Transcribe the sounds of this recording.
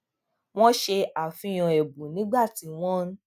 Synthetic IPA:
w̃ɔ̃˦ʃe˧a˨fĩ˧˦j̃ɔ̃˧ɛ˨bu˨nĩ˨˦ɡ͡ba˦˨ti˨˦w̃ɔ̃˦

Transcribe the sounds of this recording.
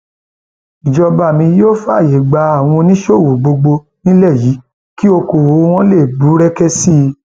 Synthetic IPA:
i˨d͡ʒɔ˧ba˨mĩ˧joː˦fa˦˨je˨˦˨ɡ͡ba˧a˦˨w̃ɔ̃˧nĩ˦ʃo˦˨wo˨ɡ͡bo˧ɡ͡bo˧ | nĩ˦lɛ˦˨ji˨˦ | ki˦o˧ko˨wo˨˦˧w̃ɔ̃˦le˦˨bu˨˦ɾɛ˦kɛ˦si˦˧

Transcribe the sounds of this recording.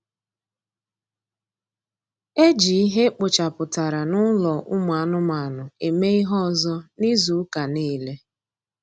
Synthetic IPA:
e˦d͡ʒi˨i˦ɦe˦k͡pʊ˨t͡ʃa˨pʊ˨ta˨ɾa˨nʊ˦lɔ˨ʔʊ˦m˨a˨a˦nʊ˦ma˨nʊ˨e˨me˦i˦ɦɔ˦˨zɔ˦ni˦zu˨˦ka˨niː˦le˦

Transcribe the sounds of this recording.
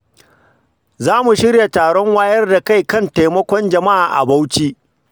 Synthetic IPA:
zaː˦mu˨ʃɪ˦ɽja˨taː˨ɽɔ˦ŋwaː˦jɐ˦rda˨ka˦˨jkɐ˦nta˨jmɔ˦kʷɔ˦nd͡ʒɐ˨ma˦ʔaː˨ʔa̰˨ba˦wt͡ʃiː˦ʔ

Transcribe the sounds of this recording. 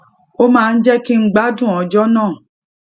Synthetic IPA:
o˦mãː˦˧n̩˦d͡ʒɛ˦ki˦ŋ͡m̩˦ɡ͡ba˦dũ˦˨ɔ˨d͡ʒɔ˦nãː˦˨

